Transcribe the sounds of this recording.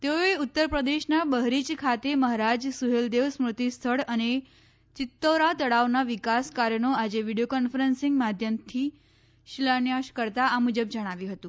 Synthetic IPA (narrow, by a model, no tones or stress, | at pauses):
t̪eoeut̪ːəɾpɾəd̪eʃnabəɦɾit͡ʃkʰat̪eməɦɾad͡ʒsuɦeld̪eʋsmɾut̪ist̪ʰəɭəne | t͡ʃɪt̪ːəɾat̪əɽaʋnaʋikaskaɾjənoad͡ʒeʋiɽijokɔnfəɾənsɪ̃ŋɡmad̪ʱjəmt̪ʰi | ʃilanjaʃkəɾt̪aamud͡ʒəbd͡ʒəɽ̃aʋjũɦət̪ũ